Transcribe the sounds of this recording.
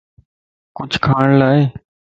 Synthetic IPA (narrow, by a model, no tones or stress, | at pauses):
kʊt͡ʃʰkʰaːɳlaːeː